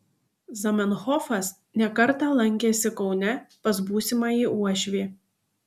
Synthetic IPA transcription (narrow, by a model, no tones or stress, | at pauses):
zɐmʲɛnxɔfɐs | nʲɛkɐɾˑt̪ɑlˠɐŋʲkʲeːsʲɪkɒʊnʲɛpɐs̬buːsʲɪmɑiːʔuɔʃʲʋʲeː